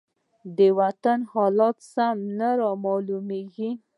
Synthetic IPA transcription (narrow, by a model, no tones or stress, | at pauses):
d̪əwat̪anhɑlɑt̪samnaɾɑmɑlumeɡi